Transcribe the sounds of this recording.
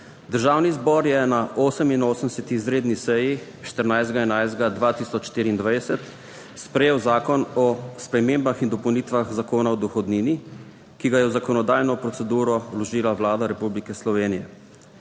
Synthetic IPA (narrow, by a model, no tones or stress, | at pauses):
d̪əɾʒaːwnizbɔɾjɛnaʔoːsəminoːsəmsɛt̪iizɾeːd̪nisɛji | ʃt̪əɾnajzd̪ɡaɛnajzd̪ɡad̪ʋaːt̪iːsɔt͡ʃʃt̪iːɾiːnd̪ʋajdsɛt̪ | spɾɛjeːwzaːkɔnɔspɾɛmeːmbaxind̪ɔpɔwnit̪ʋaxzakoːnaɔd̪ɔxɔd̪niːni | kiɡajɛwzakɔnɔd̪aːjnɔpɾɔt̪sɛd̪uːɾɔwlɔʒiːlawlaːd̪aɾɛpublikɛslɔʋeːnijɛ̰